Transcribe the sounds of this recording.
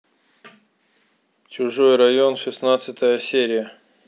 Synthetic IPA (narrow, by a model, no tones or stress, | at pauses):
t͡ɕʊʐo̞jrɐjonʂɨsnat̪sɨt̪əjəsʲeɾʲɪjə